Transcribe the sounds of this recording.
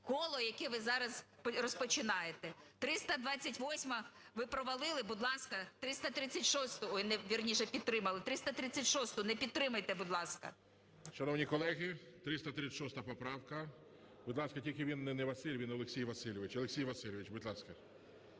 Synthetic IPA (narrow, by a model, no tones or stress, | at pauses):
kɔlˠɔjɐkɛʋɪzɑɾɐzprɔspɔt͡ʃɪnɑjet̪ɛt̪ɾɪst̪ɐd̪ʋɑt͡sʲɐtʲʋɔsʲmɐʋɪpɾɔʋɐlˠɪlˠɪbʊd̪lˠɑskɐt̪ɾɪst̪ɐt̪ɾɪt͡sʲːɐtʲʃɔst̪ʊnɛʋʲirnʲiʃɛpʲid̪̚t̪ɾɪmɐlˠɪt̪ɾɪst̪ɐt̪ɾɪt͡sʲɐtʲʃɔst̪ʊnɛpʲid̪̚t̪ɾɪmɐjt̪ɛbud̪lˠɑskɐ̰ | ʃɐnɔwnʲikɔlˠɛɣɪ | t̪ɾɪst̪ɐt̪ɾɪt͡sʲːɛʃɔst̪ɐpɔpɾɑwkɐ | bʊd̪lˠɑskɐtʲilʲkʲɪʋʲinːɛnɛʋɐsɪlʲʋʲinɔlˠeksʲijʋɐsilʲɪʋɪt͡ʃɔlˠeksʲijʋɐsʲɪlʲɪʋʲɪt͡ʃbʊd̪ʲlˠɑskɐ